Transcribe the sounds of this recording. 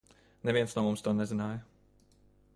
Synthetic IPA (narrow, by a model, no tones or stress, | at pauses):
nɛviɛnsnuɔmumst̪oːnɛzɪnaːjɐ